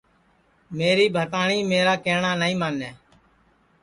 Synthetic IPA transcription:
meːɾiːbʱət̪aːɳiːmeːɾaːkeːɳaːnəĩːmaːnːɛː

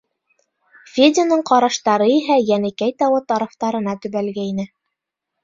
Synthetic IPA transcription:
fʲed̪ʲonɤɴqɑɾɑʃt̪ɑɾɤiɦæjænɘ̆kæjt̪ɑwɤt̪ɑɾɑft̪ɑɾɤ̆n̪ɑt̪ɵ̆βælɡæinɘ

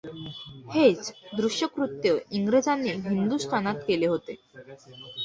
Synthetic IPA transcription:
het͡sd̪ɾuɕjəkɾut̪jəiŋɡɾed͡zanːiːɦind̪usʈ̪ʰanat̪keleɦot̪e

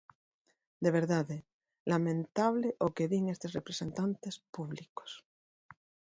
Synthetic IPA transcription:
d̪e̞β̞e̞ɾðaðe | lamẽnt̪aβleʔokeðiŋest̪erepɾese̞nt̪ant̪espuβliko̥s

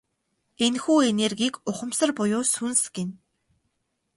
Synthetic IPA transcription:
enxuːenerɡʲiːkʊχə̆msə̆rpʊjʊːsunsɡĕn

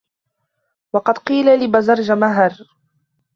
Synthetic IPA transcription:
wɑqɑd̪qiːlalɪbazɑɾˤd͡ʒamaɦɾ

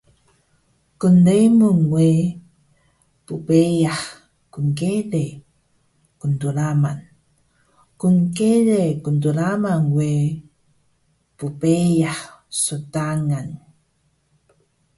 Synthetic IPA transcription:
kundejmuŋwe | pupejah | kuŋkele | kuntulaman | kuŋkelekuntulamaŋwe | pupejahsutaŋan

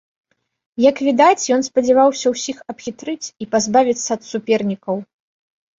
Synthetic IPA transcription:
jɐkvʲid̪at͡sʲjɔn̪spɐd͡zʲɛvawsʲɐwsʲixɐpxʲit̪ɾɨt͡sʲipazbavʲit̪sːɐːt̪supʲɛrnʲikɐw

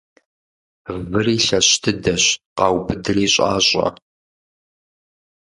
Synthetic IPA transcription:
vɨriːɬɐɕtʰɨdɐɕqɑːwbɨdɨriːɕʼa̰ːɕʼɐ̰

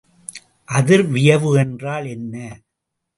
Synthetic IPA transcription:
ʔɐðɪɾʋɪjɐʋɯɛndraːlɛnːɐ

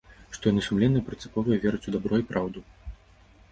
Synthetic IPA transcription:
ʂt̪ɔjanɨsumlʲɛnːɨjɐpɾɨnt̪sɨ̥pɔvɨjɐvʲɛɾɨt͡sʲud̪abɾɔipɾawd̪u

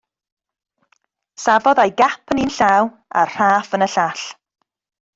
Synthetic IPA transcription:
savɔðajɡapʰəninɬaːw | a̰rr̥aːfənəɬaɬ

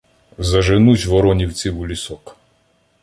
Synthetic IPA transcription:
zɐʒenusʲʋɔɾɔnʲiwt͡sʲiwulʲisɔk

